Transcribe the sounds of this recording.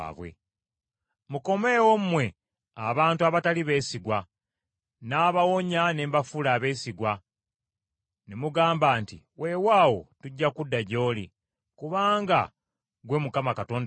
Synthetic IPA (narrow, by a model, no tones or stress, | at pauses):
βwḛ | muko̞me̞ːwomumwe̞ | a̰βaːntuaβataliβe̞ːsiɡwa | naːβawo̞ɲaneːmbafulaβe̞ːsiɡwa | nemuɡaːmbaːntḭ | wʔe̞ːwaːwo̞̰tuɟːakudːaɟo̞ːlḭ | kuβaːŋɡa̰ | ɡwe̞mukamakato̞ːnd